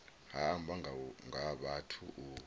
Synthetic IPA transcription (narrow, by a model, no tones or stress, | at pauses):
hambʱaŋʱaɓatʰṵʔu